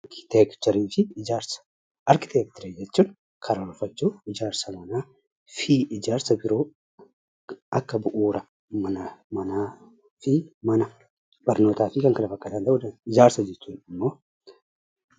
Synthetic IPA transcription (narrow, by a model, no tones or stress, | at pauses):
kɪ̥t̪ekt̪ɔɾiːfɪɪd͡ʒaːɾsɐ̥ | ʔɐɾkɪ̥t̪eːk̚t̪ɔɾiːd͡ʒɛt͡ʃːuːn | kʰɐɾɐlfɐt͡ʃːuːɪd͡ʒaːɾsɐmɐnaː | fiːʔɪd͡ʒaːɾsɐbɪɾo̞ː | ɐkːɐbʊʔuːɾɐ | mɐnɐmɐnaː | fɪmɐnɐ | b̥ɐɾno̞ːt̪aːfɪkɐŋkɐnɐfɐkːɐt̪ɐnt̪ɐʔʊd̪ɐɪd͡ʒaːɾsɐd͡ʒɛt͡ʃːuːnɪmːo̞ː